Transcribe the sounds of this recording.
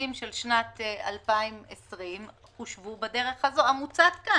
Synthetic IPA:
imʃelʃnata̰lpaimesʁim | χuʃvubade̞ʁe̞χazo̞amut͡satka

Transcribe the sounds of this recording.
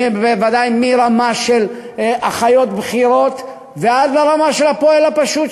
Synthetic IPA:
bbevad̪ajmiɾamaʃelaχajo̞t̪̚bχiɾo̞t̪ | vead̪laʁamaʃelapoelapaʃut̪

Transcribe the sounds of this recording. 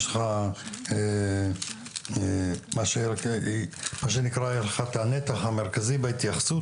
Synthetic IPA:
lχae | emaʃek | maʃ̬enikɾajeʃleχat̪anet̪aχameʁkazibeit̪jaχsu

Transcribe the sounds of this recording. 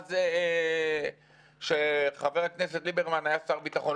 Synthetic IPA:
ze | ʃeχaveʁakneset̪libeʁmanajasaʁbit̪aχo̞n

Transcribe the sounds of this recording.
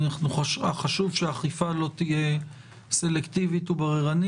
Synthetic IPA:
naχnuχʃaχaʃuvʃeaχifalo̞t̪ije̞ | se̞lekt̪ivit̪ubaʁeʁani

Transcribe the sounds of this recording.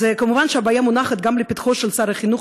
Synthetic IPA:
ekamuvanʃeabaːjamunaχet̪̚ɡamlepit̪χoʃelsaɾaχinuχ

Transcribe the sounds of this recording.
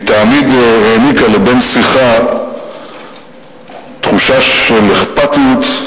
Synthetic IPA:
t̪amid̪eːnitalebe̞nsiχa | t̪χuʃaʃeleχpat̪ut̪

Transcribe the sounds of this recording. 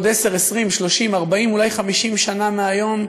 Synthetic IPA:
d̪ese̞ʁesʁimʃlo̞ʃimaʁbaimulajχamiʃimʃanameajo̞m

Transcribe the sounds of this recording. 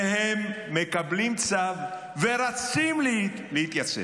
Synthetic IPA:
hemː | ekablimt͡sav | ve̞ʁat͡siml | lehit̪jat͡sḛ

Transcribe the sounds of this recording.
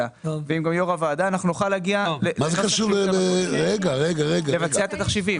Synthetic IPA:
aveimɡamjoʁavaːd̪aːnaχnunoχalaɡialemazekaʃuʁleeʁeɡaʁeɡaʁeɡalevat͡seaet̪at̪aχʃivim

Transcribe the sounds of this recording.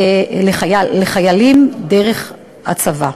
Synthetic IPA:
leχajalːeχajalimdeʁe̞χ | a̰t͡sava

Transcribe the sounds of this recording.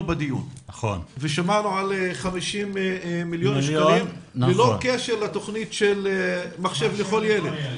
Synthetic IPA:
bad̪ijṵnχo̰nveʃamanuʕaleχamiʃimːiljo̞nʃanimlelo̞keʃeʁlat̪o̞χnitʃelmaχʃe̞vleχo̞ljeled̪

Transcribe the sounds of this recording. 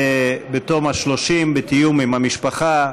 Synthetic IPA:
ebet̪omhaʃlo̞ʃimbet̪ijumimhamiʃpaχa

